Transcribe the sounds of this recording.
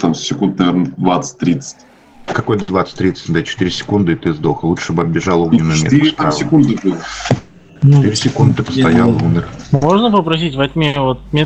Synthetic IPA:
t̪amssʲɪkund̪̚nɐvʲeɾnəd̪vat̪sə̥t̚ʲt̪ɾʲit̪sə̥t̚ʲ | kɐkojt̪əd̪vat̪sə̥tʲt̪ʲɾʲit̪sə̥tʲd̪at͡ɕɪ̥t̪iɾʲɪsʲɪ̥kund̪ɨɪt̪ɨɪzd̪oxəlˠuʂt̪obɐbbʲɪʐalˠoɡʲɪnmʲḛt̪asʲɪkund̪ɨpɨ | t͡ʃɪt̪iɾʲɪsʲɪkund̪ɨt̪ɨpə̥st̪ɐjalˠumʲɪrmoʐnəpəpɾɐs̬ʲitʲvɐt̪ʲmʲevot̪̚mʲe

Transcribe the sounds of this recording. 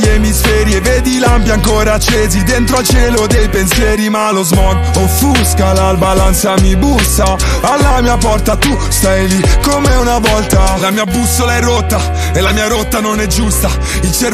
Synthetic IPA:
emisfɛːɾjeveːd̪ilampjaŋkoːɾat͡ʃːeːzid̪ent̪ɾoalt͡ʃɛːlod̪ejpensjɛːɾimalozmɔɡ | ofuskalalbalansamibusːa | alːamiːapɔrt̪at̪ːu | st̪ajlikːomeunavɔlt̪alamiːabusːolaɛrːot̪ːa | elːamiːaɾot̪ːanonɛd͡ʒːust̪a | ilt͡ʃɛɾ

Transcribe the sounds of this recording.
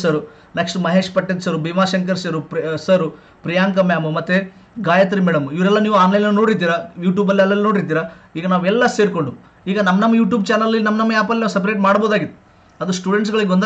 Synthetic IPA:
sɐɾu | neksʈumɐɦeːʂpɐʈːent̪sɐɾubimaːʃɐŋkɐɾsɐɾusɐɾu | pɾijaːŋkɐmjaːmɐmɐt̪ːe | ɡaːjɐt̪̬ɐɾimɛːɽɐmuiʋɾɛlːɐniːʋuaːnlɐjlnɐnoːɽiɾt̪̬iːɾajuːʈjuːbɐlːiɐlːɐlino̞ːɽiɾt̪̬iːɾaiːɡɐnaːʋɛlːɐseːɾko̞ɳɖu | iːɡɐnɐmːɐnɐmːɐjuːʈ̬juːbt͡ʃaːnɐlɐlːinɐmːɐnɐmːɐjaːpɐlinɐʋsɐp̬ɐɾeːʈmaːɽboːd̪aːɡit̪ːu | ɐd̪usʈuːɽeɳʈs̬ɡɐɭiɡond̪

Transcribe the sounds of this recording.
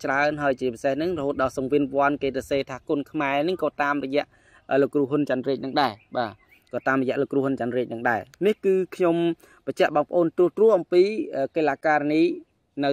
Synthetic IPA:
t͡ɕraənɦaəjt͡ɕiəpisehnɨŋrɔhoːt̪̚ɗɑːlsɑŋʋiənʋŏənkeːsɑseːt̪ʰaːkoənkʰmaɛnɨŋkɑːt̪aːmrɔjɛ̆əʔ | ʔəːlokːruəhɦʊnt͡ɕanriːc̚nɨŋɗaɛɓaː | kɑːt̪aːmrɔjɛ̆əʔloːkːrŭəhunt͡ɕanriːc̚nɨŋɗaɛnihkɨːkʰɲom | pəc̚t͡ɕɛ̆əʔɓɑːŋpə̆ʔoːnt̪ruəht̪rʊ̆əhʔɑmpiːʔəːkeːlaːkaːraniː | nɨ

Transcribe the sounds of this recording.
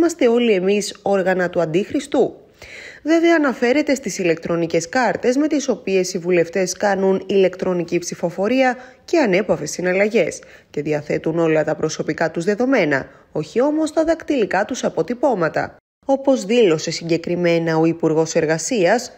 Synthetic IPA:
mɐst̪e̞o̞lie̞miso̞ɾɣɐnɐt̪uɐnd̪ixɾist̪u | ðioðiɐnɐfe̞ɾe̞t̪e̞st̪isile̞kt̪ɾo̞nice̞skɐɾt̪e̞zme̞t̪iso̞pie̞sivule̞ft̪e̞skɐnunile̞kt̪ɾo̞nicipsifo̞fo̞ɾiɐ | ce̞ɐne̞pɐve̞st̪inɐlɐʝe̞s | ce̞ðiɐθe̞t̪uno̞lɐt̪ɐpɾo̞so̞pikɐt̪uzðe̞ðo̞me̞nɐ̰ | o̞çio̞mo̞st̪ɐðɐkt̪ilikɐt̪usɐpo̞t̪ipo̞mɐt̪ɐ̰ | o̞po̞zðilo̞se̞siɲɟe̞kɾime̞nɐo̞ipuɾɣo̞se̞ɾɣɐsiɐs

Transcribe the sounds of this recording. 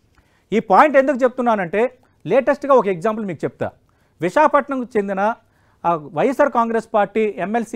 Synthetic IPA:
iːpaːjiɳʈe̞nd̪ukut͡ʃe̞p̬ut̪unːaːnɐɳʈe̞ː | leːʈɐsʈɡaːɔkɐeɡzaːmp̬lmiːkut͡ʃep̚t̪a̰ː | ʋiʂaːpɐʈɳɐmkut͡ʃe̞nd̪inɐ | ʋɐjɐsaːɾkaːŋɡɾespaːɾʈːiːemːelsi

